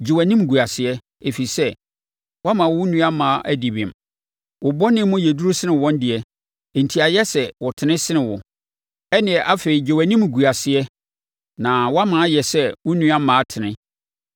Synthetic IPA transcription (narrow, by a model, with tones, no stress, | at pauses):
d͡ʑe˨wæ˨nĩ˦m˨ɡu˨a˨sɪ˨ɛ˦ | e˨fi˨sɛ˦ | wa˦mã˨wʊ˦nũ˦a˦mã˨˦ʔæ˦di˨bɪ̃˨m˨ | wʊ˨bɔ˦nɪ̃ː˦ʊ̃˦jɛ˨du˦ɾu˦sɪ˦nɪ̃˨wɔ̃˦n˦dɪ˨ɛ˨˦ | e˨n̩˨tʰi˨˦a˨jɛ˦sɛ˨wɔ˨tʰɪ˨nɪ̃˦sɪ˦nɪ̃˨wʊ˨ | ɛ˦nɪ̃˨ɛ˨ʔa˦fe˨i˨d͡ʑe˨wæ˨nĩ˦m˨ɡu˨a˨sɪ˦ɛ˦ | nã˨wa˦mã˨˦jɛ˨sɛ˦wʊ˦nũ˦a˦mãː˨˦tʰɪ˨nɪ̃˦